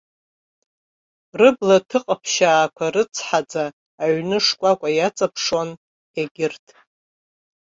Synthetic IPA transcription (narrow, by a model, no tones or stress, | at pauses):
rɨblatʰɨqʼapʰʃaːkʷʰarɨt͡sʰħad͡zaː | ɥnɨʂkʷʼakʷʼajat͡sʼapʰʂon | aɡʲɪrtʰʼ